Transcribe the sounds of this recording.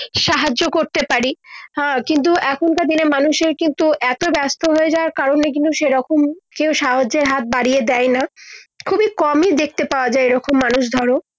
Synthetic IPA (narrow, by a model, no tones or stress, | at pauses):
ʃaɦad͡ʑokoɾt̪epaɾi | kint̪̬uʔɛkʰonkad̪inemanuʃeɾkint̪uʔɛt̪obɛst̪ʰoɦoed͡ʑaoaɾkaɾonek̬int̪uʃeɾɔkomkewʃaɦod͡ʑeɾɦat̪̚baɽied̪ɛjnakʰubikɔmid̪ek̚t̪epaoad͡ʑaeeɾɔkomːanuʃd̪ʱɔɾo